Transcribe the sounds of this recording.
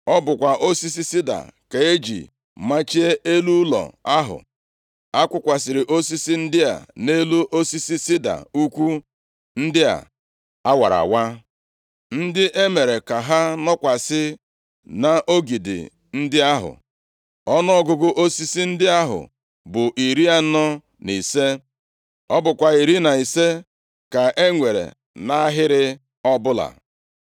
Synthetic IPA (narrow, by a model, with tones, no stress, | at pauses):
ɔ˦bʊ˨kʷa˨ʔo˦si˦s̬i˦si˦da̰˨ka˨e˦d͡ʒḭ˨ | ma˦t͡ʃi˦e˦e˦lu˦lɔ̰˨a˦ɦʊ̰˨ | a˦kʷʊ˦kʷa˨sɪ˨ɾɪ˨ʔo˦si˦si˦n̩˦dɪ˦a̰˨ne˦lu˦ʔo˦si˦si˦sɪ˦da̰˨u˦kʷu˦ | n̩˦dɪ˦a̰˨ | a˦wa˨ɾa̰˨wa˦ | n̩˦dɪ˦ʔe˦me˨ɾe˨ka˨ɦa˦nɔ˦kʷa˨sɪ˦ | na˨ʔo˦ɡi˨dɪ̰˨ | n̩˦dɪ˦a˦ɦʊ̰˨ | ɔ˦nɔ˦ɔ˦ɡʊ˦ɡʊ˦ʔo˦si˦si˦n̩˦dɪ˦a˦ɦʊ̰˨ | bʊ˨ʔi˨ɾi˦a˦nɔ˦ | ni˨se˦ | ɔ˦bʊ˨kʷa˨i˨ɾi˦na˨i˨se˦ | ka˨ʔe˦ŋʷe˨ɾḛ˨ | na˦ɦɪ˦ɾɪ˦ | ɔ˦bʊ˦la̰˨